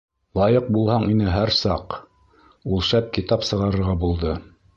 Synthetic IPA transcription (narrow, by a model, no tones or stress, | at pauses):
lˠɑjɤq̚bulˠhɑɴinɘɦæɾsɑq | ulˠʃæp̚kit̪ɑpsɤ̆ʁɑɾɤ̆ɾʁɑbulˠd̪ɤ